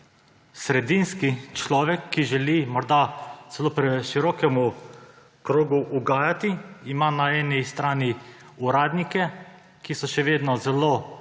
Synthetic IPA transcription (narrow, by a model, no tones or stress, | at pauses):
sɾɛd̪inskit͡ʃlɔːʋɛkʰːiʒɛlimɔɾd̪az̥ɛloːpɾɛʃiɾɔːkɛmu | kɾoːɡuʔuɡaːjat̪iimanaɛːnist̪ɾaːni | uɾaːd̪nikɛ | kisɔʃɛʋeːd̪nɔzɛloː